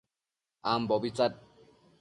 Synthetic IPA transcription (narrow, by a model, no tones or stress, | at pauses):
ambɔbit͡sat̚